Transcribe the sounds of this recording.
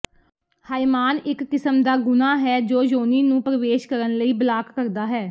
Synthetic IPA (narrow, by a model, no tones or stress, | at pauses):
haːimaːnɪkːɪsəmd̪aːɡʊnaːɦɛːd͡ʒoːd͡ʒoːniːnũːpɾəʋeːʃkəɾənləiːbəlaːkːəɾd̪aːɦɛː